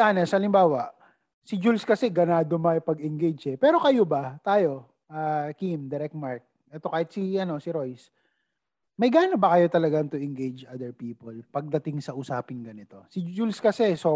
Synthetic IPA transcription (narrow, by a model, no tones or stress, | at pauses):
anɛsɐɐlɪmbaːwɐʔ | sɪd͡ʒulskɐsɛɡɐnaːd̪omɐjpɐɡɛŋɡejd͡ʒɛpɛːɾo̞kɐjobɐt̪aːjo̞ | ʔaːkimd̪ɛɾɛk̚t̪̚maɹk̚ | ʔɛt̪o̞kaːhɪt̪siʔɐno̞sɪɾo̞js | mɐjɡaːnobɐkɐjo̞t̪ɐlɐɡaŋt̪ʊʔɛŋɡejd͡ʒʔad̪ɛɹpiːpolpɐɡ̚d̪ɐt̪ɪŋsɐʔʊsaːpɪnɡɐnɪt̪o̞sɪd͡ʒulskɐsɛso